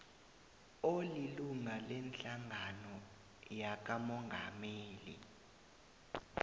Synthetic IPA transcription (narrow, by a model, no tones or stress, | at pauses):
oliluŋalɛnt͡ɬaŋanɔ | jak̬amɔŋɡʱa̰meːlḭ